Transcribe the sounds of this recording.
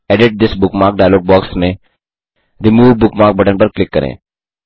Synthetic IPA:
ɛɖɪʈ̚d̪ɪsbʊkmaːɾk̚ɖajloːɡ̚bɔːksmẽ | d̪imuːʋbʊkmaːɾk̚bɐʈənpɐɾklɪkːɐɾḛ̃ː

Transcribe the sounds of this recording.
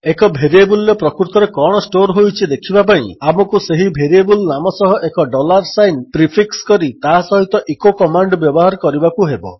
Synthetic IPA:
ekɔbʱeɾiebuljɔpɾɔkɾuɾt̪ɔɾekɔɽ̃ɔsʈoɾɦojt͡ʃʰid̪ekʰibap̬aɽ̃ḭ̃amɔkuseɦibʱeɾiebulnamɔsɔɦɔʔekɔɖɔlaɾsajnpɾipʰikskɔɾit̪asɔɦit̪ɔʔekokɔmaɳɖbjɔbɔɦaɾɔkɔɾibakuɦebɔ̰

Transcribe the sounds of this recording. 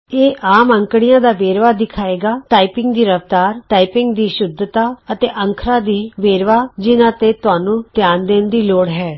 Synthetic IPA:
eːʔaːməŋkɽɪjãːd̪aːʋeːɾʋaːd̪ɪkʰaːeːɡaːʈaːipɪŋɡd̪iːɾəʋt̪aːɾʈaːipɪŋɡd̪iːʃʊd̪ʱt̪aːət̪eːʔəŋkʰɾãːd̪iːʋeːɾʋaːd͡ʒɪnãːt̪eːt̪ʊɦaːnũːt̪ɪjaːnd̪eːnd̪iːloːɽɦɛː

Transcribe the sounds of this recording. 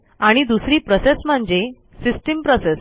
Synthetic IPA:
aɽ̃id̪usɾiːpɾɔsesm̤əɳd͡ʑe | sisʈimpɾɔses

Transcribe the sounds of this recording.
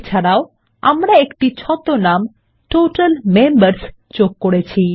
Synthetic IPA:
t͡ʃʰaɾaw | a̰mɾaekʈit͡ʃʰɔt̪onam | ʈoʈəlmembəɾs | t͡ʃokːɔɽet͡ʃʰi

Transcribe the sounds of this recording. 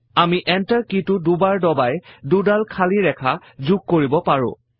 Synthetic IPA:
amiʔɛntəɹkitʊdubaɹdɔbajdudalkʰaliɹɛkʰa | zuɡ̚koɹibɔpaɹʊ̰̃

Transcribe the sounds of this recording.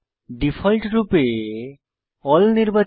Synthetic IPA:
ɖifʰɔlʈɾupe | ɔlniɾba

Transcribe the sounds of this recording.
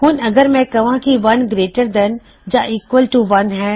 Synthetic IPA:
ɦuːnɐɡəɾmɛ̃kɐʋãkiʋɐnɡɾeːʈəɾd̪ɛn | d͡ʒaʔiːkʋəlʈuʋɐnɦɛ

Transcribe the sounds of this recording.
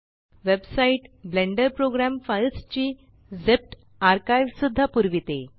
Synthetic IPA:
ʋebsaiʈblẽɳɖəɾpɾoɡɾamfajt͡st͡ɕiː | d͡zep̚ʈ | aɾkajʋsud̪ʱːapuɾʋit̪e

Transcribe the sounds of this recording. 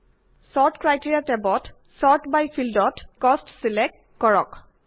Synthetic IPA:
sɔɹtkɹajtiɹiatɛbɔt | sɔɹtbajpʰildɔtkɔstsilɛk̚t | kɔɹɔ̰k

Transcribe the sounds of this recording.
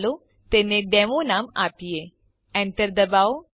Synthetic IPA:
loː | t̪eːnẽːɖɛːmõːnaːmaːpɪeː | ɛ̃ːnt̪əɾd̪əbaːoː

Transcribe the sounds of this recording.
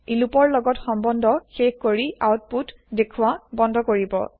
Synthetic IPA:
ilupɔɹlɔɡɔtxɔmbɔndʱɔxexkoɹiʔawt̚put | dekʰʊwabɔndʱɔkoɹibɔ̰

